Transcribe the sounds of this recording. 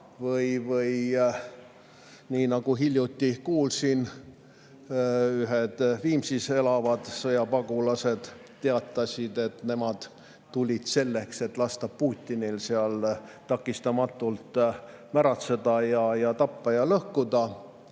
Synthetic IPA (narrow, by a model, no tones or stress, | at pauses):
vɤjvɤj | niːnɑɡ̥uɦilʲjut̪ːikuːlsin | yɦed̪̥viːmsise̞lɑvɑd̪̥sɤjɑpɑɡ̥ulɑse̞d̪̥ | t̪ːeɑt̪ːˑɑsʲid̪̥e̞t̪ne̞mɑd̪̥ | t̪ulʲit̪se̞lːekse̞t̪ːlɑst̪ɑpuːt̪ʲːinilseɑlt̪ɑkːˑist̪ɑmɑt̪ːˑult̪ | mæɾɑt̪se̞d̪̥ɑjɑjɑt̪ɑpːɑjɑlɤhkud̪ɑ